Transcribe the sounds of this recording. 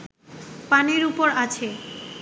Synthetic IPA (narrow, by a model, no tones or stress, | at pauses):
paneɾupoɾat͡ɕʰe